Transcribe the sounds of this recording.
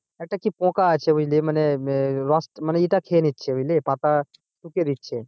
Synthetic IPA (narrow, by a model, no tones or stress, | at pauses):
ek̚ʈakipõkat͡ʃʰɛujleməneɾɔsʈmənɛiʈ̪akʰeːnit̪ːt͡ʃʰɛʋulepat̪a | sukeɾit̪̚t͡ʃʰɛ